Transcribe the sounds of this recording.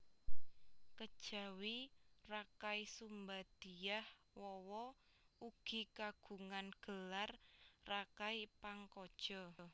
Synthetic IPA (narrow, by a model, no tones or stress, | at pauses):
kəd̥ʒ̥a̤wirakaisumbad̪̥i̤jah | wɔwɔ | uɡ̥i̤kaɡ̥ṳŋanɡ̥əlarːakaipaŋkɔd̥ʒ̥ɔ